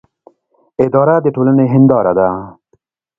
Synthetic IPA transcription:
ɪd̪ɑːɾad̪eʈoːlaneɦɪnd̪ɑːɾad̪a

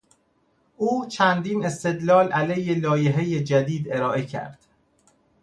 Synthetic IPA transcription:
ʔuːt͡ʃʰænd̪iːne̞st̪e̞d̪lɒːlʔælejelɒːjeɦejed͡ʒæd̪iːd̪e̞ɾɒːʔe̞cʰæ̰ɾd̪̥

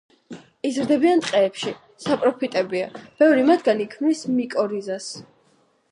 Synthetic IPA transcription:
izɾd̪ɛbiant̪ʼqʼɛːpʃi | sapʼɾɔpʰit̪ʼɛbia̰b̥ɛvɾimat̪ʰɡanikʰmnismikʼɔɾizas

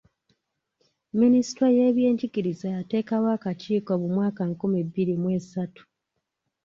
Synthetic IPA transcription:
minisi̥tɾoje̞ːβje̞ːɲɟiɡiɾizajate̞ːkawaːkaciːkoβumwaːkaŋkumebːiɾimwe̞ːsatu̥

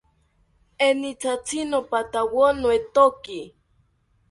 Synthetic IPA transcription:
enit͡sat͡sʰinopat̪awonoet̪oki

